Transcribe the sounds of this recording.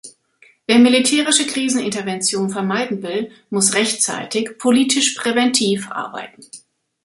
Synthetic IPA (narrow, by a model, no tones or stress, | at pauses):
veːɐmilitʰɛːʁ̞ɪʃəkʁ̥iːzn̩ɪntɐvɛnt͡sjoːnfɛɐmaɪdn̩vɪl | mʊsʁɛçtt͡sa̰ɪtɪçpʰoliːtʰɪʃpʁ̥evɛntʰiːfʔa̰ɐba̰ɪtn̩